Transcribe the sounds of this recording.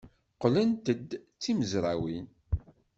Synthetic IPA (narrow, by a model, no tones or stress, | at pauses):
qlənt̪əd̪t͡sːiməzɾˤawin